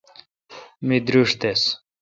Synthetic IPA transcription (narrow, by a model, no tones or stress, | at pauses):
mid̪ɾuʂt̪es